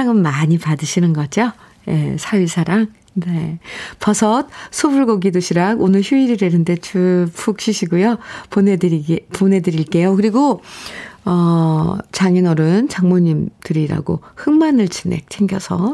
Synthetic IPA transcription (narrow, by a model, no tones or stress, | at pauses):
aŋɯnmaɲipadɯɕʰinɯnɡʌd͡ʑo | je̞̰sʰaisʰaɾaŋ | ne̞pʌsʰʌt̚sʰobuɭɡoɡidoɕʰiɾaɡonɯɭçjuiɾiɾenɯnde̞t͡ɕʰupʰuk̚ɕ͈ʰiɕʰiɡujoponedɾiɡponɦe̞dɯɾiɭk͈e̞jokɯɾiɡo | ʌt͡ɕaŋinʌɾɯnt͡ɕaŋmoɲimdɯɾiɾa̰ɡo̰hɯŋmanɯɭt͡ɕine̞̰k̚t͡ɕʰeŋɡjʌsʰʌ